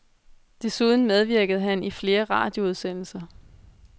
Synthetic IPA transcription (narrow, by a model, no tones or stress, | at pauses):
d̥e̝suð̞ˠn̩með̞ˠʋiɐɡ̥əð̩ˠɦænifle̝ːɐʁɑ̰̈ːd̥jo̝uð̞ˠsen̰l̩sɐ